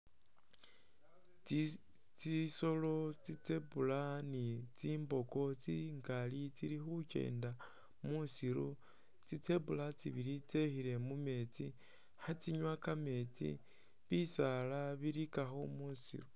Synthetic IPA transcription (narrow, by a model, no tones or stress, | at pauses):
t͡siso̞lo̞t͡sit͡se̞pulanit͡siːmbo̞ko̞t͡siŋɡalit͡siɾixuce̞̰ːnda | musiɾu | t͡sit͡se̞βulat͡siβiɾit͡se̞xile̞mume̞t͡si | hat͡siɲwakame̞t͡sḭ | βisalaβiɾikaxomusḭɾu